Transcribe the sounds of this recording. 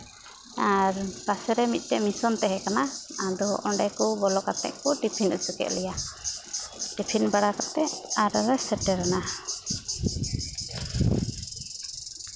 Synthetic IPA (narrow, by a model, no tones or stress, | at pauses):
aɾb̥asɛɾɛmit̪̚ˀt̪ɛmisɔnt̪ɛɦɛkanaad̪ɔʔɔɳɖɛkɔbɔlɔkat̪ɛ̰ʔkɔʈipʰinut͡ʃukɛ̰ʔlɛja | ɖipʰinbaɽakat̪ɛaɾɾɛsɛʈːɛɾana